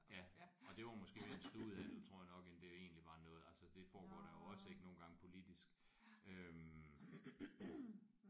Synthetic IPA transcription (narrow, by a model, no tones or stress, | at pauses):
jæɒ̽d̥e̝ʋɑ̈mɒ̽sɡ̥e̝̰ensd̥uð̩ˠæn̰l̩t͡sʰʁo̝̰jænɒ̽ɡ̥end̥ee̝̰ːnliʋɑ̈ːnɔ̽ːð̞̩ˠælsəd̥e̝fɒːɡ̥ɒ̰ːɾ̥ɑjo̝ɒ̽səe̝ɡ̥əno̝ːn̩ɡɑ̈ŋəpʰo̝lid̥isɡ̥ | øm